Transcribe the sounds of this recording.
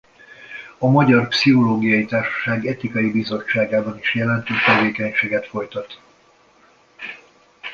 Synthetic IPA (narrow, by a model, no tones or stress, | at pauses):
ɒmɒɟɒrpsiɦo̞loːɡijɒjit̪aːrʃɒ̥ʃaːɡɛt̪ikɒjibizo̞t͡ʃːaːɡaːbɒniʃjɛlɛnt̪øːʃt̪ɛveːkɛɲʃeːɡɛt̪fo̞jt̪ɒt̪